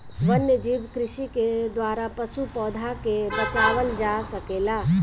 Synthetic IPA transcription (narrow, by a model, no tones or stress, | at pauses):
ʋɐnjəd͡ʒiːbkɾɪʃiked̪waːɾapɐʃupɔːd̪ʱakebɐt͡ʃaːʋəld͡ʒaːsɐkeːlaː